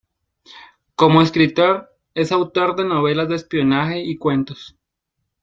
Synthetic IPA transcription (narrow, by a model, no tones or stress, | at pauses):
ko̞moeskɾit̪o̞ɾ | e̞sawt̪o̞ɾd̪e̞no̞β̞e̞lazd̪espio̞naxe̞ikwe̞nt̪os